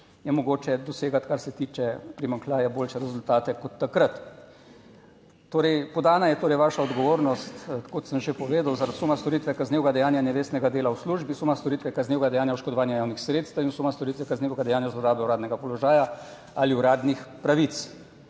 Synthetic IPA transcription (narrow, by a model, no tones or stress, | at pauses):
jɛmɔɡoːt͡ʃɛd̪ɔseːɡat̪kaɾsɛt̪iːt͡ʃɛpɾimaŋklaːjaboːlʃɛɾɛzult̪aːt̪ɛkɔt̪ːakɾət̪ | oːɾɛjpɔd̪aːnajɛt̪oːɾɛjʋaːʃaɔd̪ɡɔʋoːɾnɔst̪kot̪səmʒepɔʋeːd̪awzaɾad̪sumast̪ɔɾit̪ʋɛkaznʲeːwɡad̪ɛjaːnjanɛʋeːst̪nɛɡad̪eːlawsluːʒbisumast̪ɔɾit̪ʋɛkaznewɡad̪ɛjaːnjauʃkɔd̪ɔʋaːnjajaːwnixsɾeːt̪st̪əwinusumast̪ɔɾit̪ʋɛkazneːwɡad̪ɛjaːnjazlɔɾaːbɛuɾaːd̪nɛɡapɔlɔʒaːja | aliuɾaːd̪nixpɾaʋit̪s